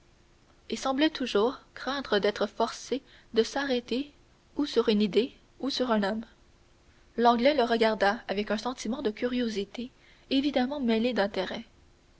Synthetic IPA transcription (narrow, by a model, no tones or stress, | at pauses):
esɑ̃blɛt̪ʰuʒuːʁkχɛ̃t̪ʁəd̪ɛt̪χəfɔʁse | d̪əsaʁɛt̪e | usyʁynid̪e | usyʁɛ̃nɔm | lɑ̃ɡlɛləʁəɡʲaʁd̪aavɛkœ̃sɑ̃t̪imɑ̃d̪əkʲyʁjozit̪e | evid̪amɑ̃mɛled̪ɛ̃t̪eʁɛ